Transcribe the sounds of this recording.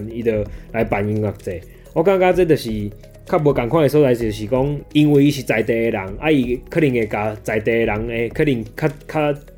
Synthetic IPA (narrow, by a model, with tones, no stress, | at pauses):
ni˧d̪ə˧˩la˨˧jpa˨˩nju˧˦ka˨k̚t͡se˨ | ɔ˦kã˦kã˦t͡se˧˦t̪̬ə˨˩ɕi˨ | kʰa˥p̚bwə˧˦ka˨˩ŋkʰwa˥˧ŋe˨˧s̬ɔ˦t͡sa˧jsi˨ə˨ɕi˨˩kɔ˦ŋi˧ŋwi˧i˧ɕi˨t͡sa˨jt̪e˧˩e˧ɾa˨˦ŋa˦i˧kʰə˦ɾi˨˩ŋe˨ka˨˩t͡sa˨jt̪e˧e˧ɾa˨˦ŋe˧˦kʰə˦ɾi˧˩ŋkʰa˦kʰa˦˥